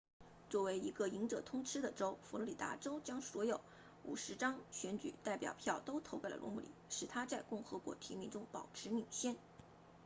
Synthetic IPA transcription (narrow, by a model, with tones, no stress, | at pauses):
t͡swɔ˥˩we˧˥ɪi˧˥ɡə˧i˧˥ŋʈ͡ʂɤ˨˩t̪ʰʊ˥ŋʈ͡ʂʰɻ̩˥d̪ə˨ʈ͡ʂo˥ʊfu˧˥lɔ˧˥li˨˩t̪a̰˧˥ʈ͡ʂo˥ʊt͡ɕjɑ˥ŋswɔ˧˥jo˨˩˦ʊ | ṵ˨˩ʂɻ̩˧˥ʈ͡ʂɑ˥ŋɕɥɛ˧˥nt͡ɕy̰˨˩t̪a˥˩ɪpjɑ̰˨˩ʊpʰjɑ˥˩ʊt̪o˥ʊt̪ʰo˧˥ke˥˩lə̰˩lwɔ̰˧˥mṵ˧˩lḭ˨˩˦ʂɻ̩˨˩t̪ʰa˥t͡sa˥˧ɪkʊ˥˩ŋxɤ˧˥kwɔ̰˧˥t̪ʰi˧˥mi˧˥ŋʈ͡ʂʊ˥ŋpɑ˨˩ʊʈ͡ʂʰɻ̩˧˥mi˨˩ŋɕjɛ˥˩n